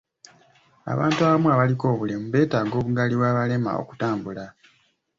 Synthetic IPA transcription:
a̰βaːntuaβamwaβaliko̞ːβule̞muβe̞ːtaːɡo̞ːβuɡaliwaːβale̞ma̰o̰ku̥taːmbula

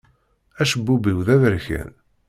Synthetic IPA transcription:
æʃəbːubiwðævəɾçæ̰n

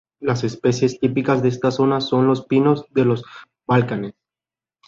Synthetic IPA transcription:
lase̞spe̞sje̞st̪ipikazðeest̪aso̞naso̞nlo̞spino̞zðe̞lo̞z | balkane̞s

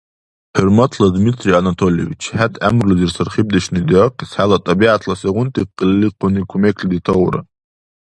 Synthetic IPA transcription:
ħʊrmatʰlad̪mitʰrianatʰoliḛvit͡ʃʰħatʰʼa̰mrluzirsɨrχib̚d̪aʃnid̪ʕaqisħalat̪ʼabiʕatʰlaseʁʷʊntʼiqːəlːiqʰʊnikʷʰumekʰlid̪itʰawɾa̰

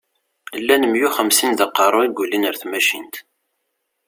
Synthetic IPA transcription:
lːænəmjuχəmsind̪əqːɑrˤʊiɡʷulinəɾθmæʃḭnt̪

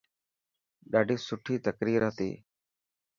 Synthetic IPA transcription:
ɗaːɖʱiːsʊʈʰiːt̪əkɾiːɾət̪ḭː

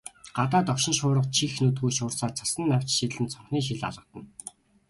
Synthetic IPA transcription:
ɢ̥at̪aːt̪ɔwʃɪ̆nʃʊːɾə̆qt͡ɕʰixnut̪̬ɡuːʃʊːrsaːt͡sʰḁsə̆nːaw̥t͡ɕʃit̪ɮɘ̆nt͡sʰɔɴχniːʃ̬iɮa̰ɮʁə̆t̪ə̆n

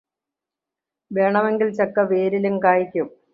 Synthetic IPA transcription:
ʋe̞ːɳɐme̞ŋɡilt͡ɕɐkːɐʋeːɾilumkaːjikʲːum

